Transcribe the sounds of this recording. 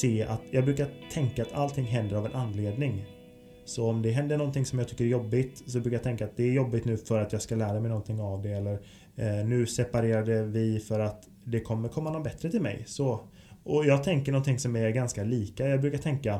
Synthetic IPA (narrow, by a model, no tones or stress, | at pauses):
seːa̰t̪jɑːɡ̚bɾʉ̟ːkat̪ʰɛŋkaːt̪ʰa̰lt̪ʰɪŋːɦɛnd̪əɾavɛnʔanːleːd̪nɪŋ | sɔɔmd̪ɛɦɛnd̪əɳɔnt̪ɪŋsɔmjɑɡt̪ʏ̥kːəɾɛɾjɔbːɪt̪sɔbɾʉːkajat̪ʰɛŋkːat̪̚d̪ɛæɾjɔbːɪt̪nʉ̟ːfœɾat̪jɑːɡskalæːɾamɛjnɔnt̪ʰɪŋːavd̪ɛɛlːəɾ | nʉ̟ːsɛpaɾeːɾad̪əvɪfœɾat̪ | d̪ɛkʰɔmːəɾkʰɔmːanɔbɛt̪ɾət̪ʰɪlmɛ̰jsɔ | ʔɔjɑːɡ̚t̪ʰɛŋkəɳɔnt̪ɪŋsɔmæɾɡanskaliːkajɑːɡ̚bɾʉ̟ːkat̪ʰɛŋka